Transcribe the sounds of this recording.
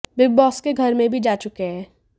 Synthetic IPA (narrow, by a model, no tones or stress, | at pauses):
bɪb̚bɔːskeɡʱɐɾmẽbʱid͡ʒaːt͡ʃʊkeɦɛ̃ː